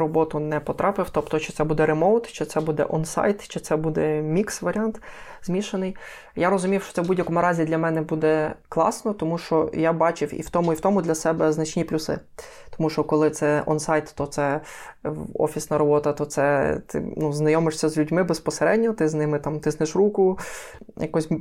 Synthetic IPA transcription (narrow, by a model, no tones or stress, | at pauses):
ɾɔbɔt̪ʊnɛpɔt̪ɾʔɑpɪwt̪ɔpt̪ɔt͡ʃɪ̥tsɛbud̪ɛɾemɔwt̪t͡ʃɪt̪sɛbud̪ɛ̰ʔɔnsɑ̰jt̪t͡ʃɪt̪sɛbud̪ɛmʲiksʋɐɾʲɑnt̪zmʲiʃenɪj | jaɾɔzʊmʲiwʃt͡ʃɔ̥t̪sɛʋbudʲjɐkɔmʊɾɑzʲid̪lʲɐmɛnɛbud̪ɛklˠɑ̰snɔt̪ɔmuʃt͡ʃɔjabɑt͡ʃɪwḭwt̪ɔmʊiwt̪ɔmʊd̪lʲɐsɛbɛznɐt͡ʃnʲiplʲʊsɪ̰ | t̪ɔmuʃt͡ʃɔkɔlˠɪt̪sɛʔɔ̰nsɑjt̪t̪ɔt̪sɛ | ɔ̰fʲisnɐɾɔbɔt̪ɐt̪ɔt̪sɛt̪ɪ̰nuznɐjɔmɪʂsʲɐzlʲʉdʲmɪbespɔseɾɛdʲnʲɔt̪ɪznɪmɪt̪ɑmt̪ɪsnɪʃrukʊ | jɐkɔsʲ